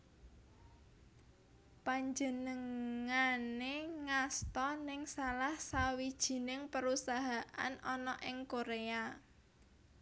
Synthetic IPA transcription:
paɲd͡ʒənəŋaneŋast̪ɔnɪŋsalahsawid̥ʒ̥i̤nɪŋpəɾusaɦaʔa̰nɔnɔʔɪŋkoɾea

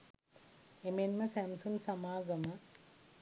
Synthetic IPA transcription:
emenmɐsæmsunsɐmaːɡɐmɐ

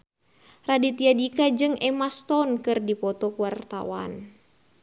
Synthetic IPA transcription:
radit̪iadikad͡ʒɨŋɛmast̪ɔnkɨrdipɔt̪ɔkuwart̪a̰wa̰n

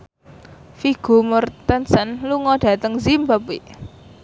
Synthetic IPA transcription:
fiɡ̥o̤mʊrt̪ənsənluŋɔɖ̥ä̤t̪əŋzimbapiʔ

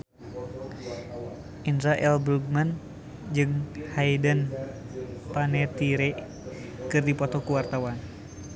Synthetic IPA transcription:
ʔinɾaʔɛlbɾuɡ̚man | d͡ʒɨŋhaidən | panɛt̪iɾɛ | kɨrdipɔt̪ɔkuwart̪awan

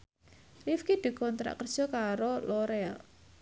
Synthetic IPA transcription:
lifkid̪̥i̤kɔnt̪ɾa̰ʔkərd̥ʒ̥ɔ̤kaɾolɔɾɛl

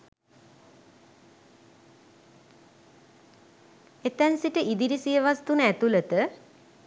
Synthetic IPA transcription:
et̪ænsiʈəʔid̪iɾisijəʋast̪unəæt̪ulət̪ə

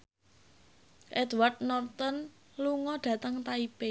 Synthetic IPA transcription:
ʔɛd̪ward̪̚nɔrt̪ɔn | luŋɔɖ̪̥ä̤t̪əŋt̪aipe

